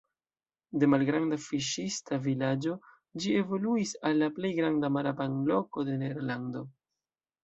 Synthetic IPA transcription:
de̞malɡɾandafiʃistavilad͡ʒo̞ | d͡ʒie̞vo̞luisalːaple̞jɡɾandamaɾapanlo̞ko̞de̞neɾlando̞

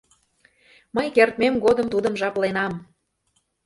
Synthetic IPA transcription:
məjkert̪̚memɡod̪əmt̪ud̪əmʒɑplenɑm

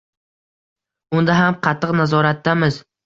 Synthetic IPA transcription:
ʊnd̪aɦamqʰɑt̪ʰːɨqnazɒɾat̪ːamɪz

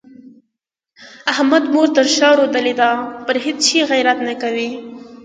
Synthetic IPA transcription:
ahmad̪moɾt̪əɾʃɑɾod̪aled̪ɑpəɾɦedt͡ʃiɣajɾat̪nakawi

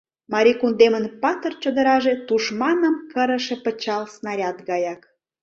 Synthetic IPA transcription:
mɑɾʲikund̪emənpɑt̪ərt͡ɕəd̪əɾɑʒet̪uʃmɑnəmkəɾə̆ʃepə̆t͡ɕɑlsnɑɾʲɑt̪ɡɑjɑk

